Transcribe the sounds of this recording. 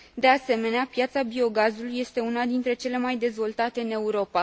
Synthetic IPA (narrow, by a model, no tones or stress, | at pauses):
d̪e̞ase̞me̞neapjat̪sabio̞ɡazuluje̞st̪e̞unad̪int̪ɾe̞t͡ʃe̞le̞majd̪e̞zvo̞lt̪at̪e̞ɨne̞uɾo̞pa